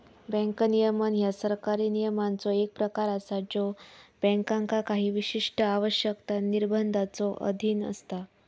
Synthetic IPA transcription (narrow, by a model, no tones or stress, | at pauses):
bɛ̃ŋknijəmənjasəɾkaɾiːnijəmant͡sɔek̚pɾəkaɾasad͡ʑɔb̥ɛ̃ŋkãŋkakaɦiːʋiɕiʂʈəaʋəɕjəkt̪aniɾbʱənd̪ʱat͡sɔʔə̰d̪ʱiːnə̰st̪a